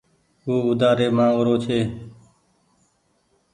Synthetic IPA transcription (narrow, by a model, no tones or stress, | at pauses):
uːʊd̪aːɾeːmãːɾoːt͡ʃʰeː